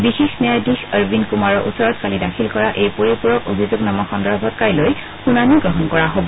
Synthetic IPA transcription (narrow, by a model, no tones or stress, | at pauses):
bixexnɛajdixəɹbinkumaɹɔʔutsɔɹɔtkalidakʰilkɔɹaʔejpoɹipuɹɔkobʱizuɡnamɔxɔndɔɹbʱɔtkaɹloj | xunaniɡɹɔɦɔnkɔɹaɦobɔ